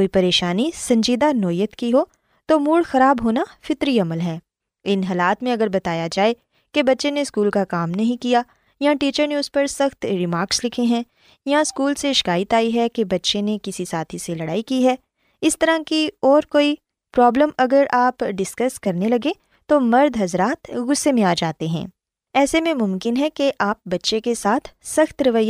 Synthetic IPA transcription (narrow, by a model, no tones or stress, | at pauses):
koːipɐɾeːʃaːnisɐ̃ɲd͡ʒiːd̪anɔːjət̪kiɦoː | t̪oːmuːɽxɐɾaːbɦoːnafɪt̪ɾiɐməlɦɛː | ɪnɦaːlaːt̪mẽɐɡəɾbɐt̪aːjad͡ʒaːe | kebɐtːʃeneskuːlkakaːmnɐɦĩkija | jãʈiːt͡ʃəɾneʊspɐɾsɐxt̪ɾɪmaːɾkslɪkʰeɦɛ̃ | jãɪskuːlseʃɪ̥kaːjɪt̪aːiɦɛkebɐtːʃenekɪsisaːt̪ʰiselɐɽa̰ːikiɦɛ | ɪst̪ɐɾãkiɔːɾkoːi | pɾɔːbləmɐɡəɾaːpɖɪskɐskɐɾnelɐɡẽ | t̪omɐɾd̪ʱɦɐzɾaːt̪ɡʊsːemẽaːd͡ʒaːt̪eɦɛ̰̃ː | ɛːsemẽmʊ̃mkɪnɦɛkeʔaːp̚bɐtːʃekesaːt̪ʰsɐxt̪ɾɐʋəjːa